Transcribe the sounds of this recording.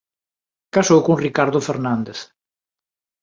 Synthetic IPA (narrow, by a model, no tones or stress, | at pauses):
kasowkoŋrikaɾðofeɾnand̪eθ